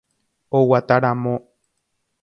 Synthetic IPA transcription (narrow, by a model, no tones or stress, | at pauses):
owat̪aɾamõ